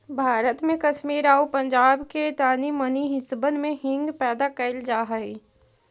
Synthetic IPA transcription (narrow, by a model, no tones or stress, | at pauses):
bʱaːɾət̪mẽkɐʃmiːɾaːupɐ̃ɲd͡ʒaːbket̪aːniməniɦɪsbənmẽɦɪ̃ŋɡpɛːd̪akɐɪld͡ʒaːɦəi